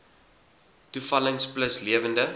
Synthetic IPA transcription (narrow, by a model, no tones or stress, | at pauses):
tufɐləŋspləsliəvəndə